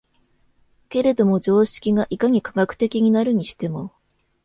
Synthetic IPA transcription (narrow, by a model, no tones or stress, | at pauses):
ke̞ɾe̞d̪o̞mo̞d͡ʑo̞ːɕi̥kʲiŋaʔikaɲ̟ikaɡakɯ̟̥t̪e̞kʲiɲ̟inaɾɯ̟ɲ̟iɕi̥t̪e̞mo̞